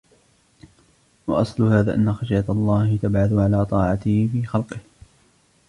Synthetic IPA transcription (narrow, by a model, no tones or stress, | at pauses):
wɑ̰ʔɑsˤlʊhaːðaːʔanːaxɑʃjat̪ɑlˤːɑːhɪt̪abʕaθʊʕalaːt̪ˤɑːʕɑt̪ɪhɪfiːxɑlqɪh